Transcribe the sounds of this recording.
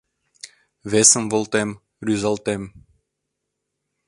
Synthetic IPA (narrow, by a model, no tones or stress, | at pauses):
βesə̆mvolˠt̪em | ryzɑlt̪em